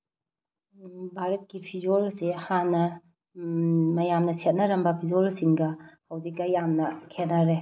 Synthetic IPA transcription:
bʱaɾɐt̚kipʰid͡ʒolsehanːɐ | mɐjamnɐset̚nɐɾɐmbɐpʰid͡ʒolsiŋɡɐhɐwzik̚ːɐjamnɐkʰetnɐɾe

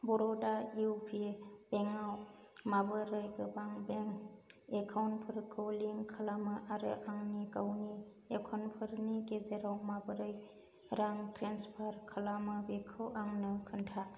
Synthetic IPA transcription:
bɔɾɔdaiwpʰib̥eŋaw | mabɯɾɯjɡɯbaŋbeŋekʰawnpʰɯɾkʰɯwliŋkʰalamɯʔaɾɯ̰ʔaŋnikawni | ekʰɔnpʰɯɾniɡezeɾawmabɯɾɯj | ɾaŋtɾanspʰaɾkʰalamɯbekʰɯwʔaŋnɯkʰɯntʰa

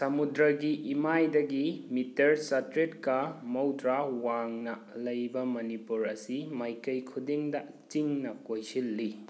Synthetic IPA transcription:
sɐmudɾɐɡiʔːmajdɐɡimitɐɾsɐtɾetkɐmɐwtɾawaŋnɐ | lɐjbɐmɐnipuɾɐsimajkɐjkʰudiŋdɐ | t͡ʃiŋnɐkojsilːi

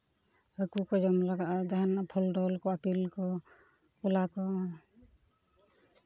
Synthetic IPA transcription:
əkukɔd͡ʒɔmlaɡaʔd̪aɦanpʰɔlɖɔlkɔapilkɔ | kulakɔ

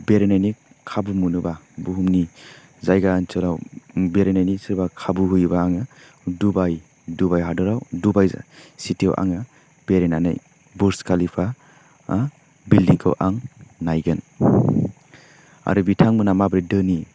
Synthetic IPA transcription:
beɾenajni | kʰːabumunuba | buɦumni | zajɡant͡ʃɯɾawbeɾenajnisiɾbakʰabuɦujbaːŋɯ | dubaj | dubajɦadɔɾawdubajz̰sitiɔ̰ʔa̰ŋa | b̥eɾenana̰j | buɾskʰalipʰa | bildiŋkʰɔ̰wʔaŋnajɡɯn | a̰ɾubitʰaŋmɯnamabɾidɯni

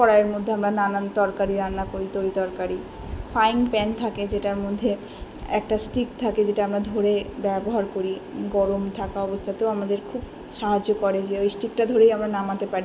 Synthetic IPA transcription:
kɔɾaeɾmod̪ʱːeamɾananant̪ɔɾkaɾiɾanːakoɾit̪oɾid̪ɔɾkaɾi | fʰajŋpɛnt̪ʰaked͡ʑeʈaɾmod̪ʱːe | ɛk̚ʈasʈikt̪ʰaked͡ʑeʈaamɾad̪ʱoɾebɛboɦaɾkoɾiɡɔɾomt̪ʰakaɔbost̪ʰat̪eoamad̪eɾkʰub | ʃaɦad͡ʑokɔɾed͡ʑeojsʈik̚ʈad̪ʱoɾejamɾanamat̪epaɾi

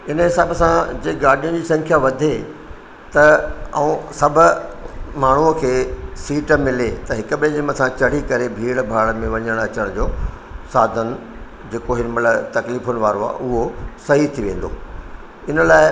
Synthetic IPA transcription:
ɪnəɦɪsaːbsãd͡ʑeːɡaːɽijʊ̃nd͡ʑiːsɐ̃ŋkʰjaʋɐd̪ʱe | t̪ɐɐũsɐbʱʊmaːɳ̤uəkʰeːsiːʈmɪlet̪ɐɦɪkə̆ɓeʄɪməsãt͡ɕɐɽ̤ikɐɾebʱiːɽbʱaːɭəmẽʋɐɲəɽ̃ɐt͡ɕəɽ̃d͡ʑoː | saːd̪ʱən | d͡ʑeːkoɦɪnmɐlət̪ɐkliːfʊnɪ̆ʋaːɾoa̰ːʔʊɦosɐɦit̪ʰiʋẽːn̆d̪o̰ː | ɪnəlaːɪ

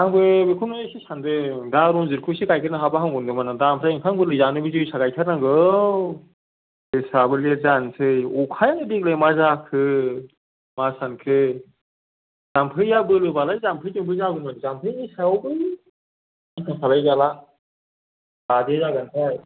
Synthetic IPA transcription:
aŋbɯbɯkʰunsisandɯdaɾɔŋzɯɾkʰɯsikajkʰɯɾnaɦabaɦaŋɡɔndɯmanadampʰɾajiŋkʰaŋbɯlɯzanɯbɯzujsaɡajtʰaɾnaŋɡɯ | besabɯleɾzansɯjɔkʰajaŋɯbek̚lejmazakʰɯ | masankʰɯ | z̥ampʰɯjabɯlɯbalajzampʰɯjtuŋpʰɯzaɡɯnanzampʰɯjnisawbɯj | ankʰɯsʰalajzala | badezaɡantʰaj

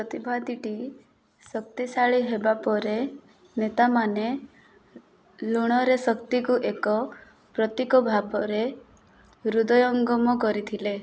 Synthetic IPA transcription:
pɾɔt̪ibʱad̪iʈi | sɔk̚t̪isaɭiɦebapɔɾe | net̪amane | luɽ̃ɔɾesɔkt̪ikuʔekɔ | pɾɔt̪ikɔbʱabɔɾe | ɾud̪ɔjɔŋɡɔmɔkɔɾit̪ʰile

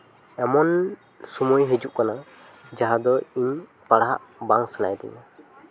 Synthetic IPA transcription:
ɛmɔn | sumujɦid͡ʒuʔkana | d͡ʒaɦad̪ɔiɲ | paɽaɦa̰ʔbaŋsana̰jd̪ɛ̰ɲa

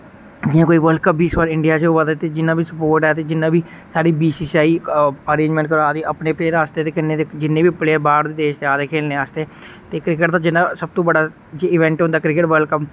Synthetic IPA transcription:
d͡ʒɪjãːkoːiːʋəlkəp̚biːsʋaːɾɪɳɖijaːt͡ʃoʋaːd̪eːt̪eːd͡ʒɪnːãːbiːsəpoːɾʈɛːt̪eːd͡ʒɪnːãːbiː | saːɾiːbiːsiːsaːiːəɾẽːɲd͡ʒmɛ̃ɳʈkəɾoaːd̪eːʔəpneːpleːɾaːst̪eːt̪eːkɪnẽːd̪ed͡ʒɪnːeːbiːpleːbaːɾd̪iːd̪eːʃt̪eaːd̪eːkʰeːlneːaːst̪eː | t̪eːkɾɪkəʈd̪aːd͡ʒɪnːãːsəb̚t̪õːbəɖaː | d͡ʒeːɪʋɛ̃ːɳʈɦʊ̃nd̪aːkɾɪkɪʈʋəɾlkəp

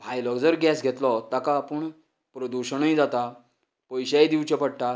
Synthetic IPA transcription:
bʱajlɔɡd͡zəɾɡɛsɡʱet̪lɔt̪akaːpəɳ | pɾəd̪uɕəɳəjd͡zat̪a | pəjɕajd̪iʋt͡ɕəpəɽʈ̪a

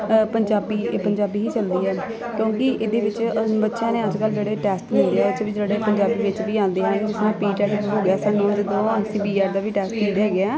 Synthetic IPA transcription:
pəɲd͡ʒaːbiːpəɲd͡ʒaːbiːɦiːt͡ʃəld̪iːɦɛː | kjõːkɪʔɪd̪eːʋɪt͡ʃbətːʃãːneːəd͡ʒkəld͡ʒeːɽeːʈɛːsʈmɪ̃ːnd̪eːɛːʊt͡ʃʰːʋɪt͡ʃd͡ʒeːɽeːpəɲd͡ʒaːbiːʋɪt͡ʃʋiːãːnd̪eːɦɛ̃ːd͡ʒɪsnãːpiːʈɛːsɦoːɡɪaːsaːnõːd͡ʒɪd̪õːəsiːbiːaːɾd̪aːʋiːʈɛːsʈnĩːd̪aːɡɪaː

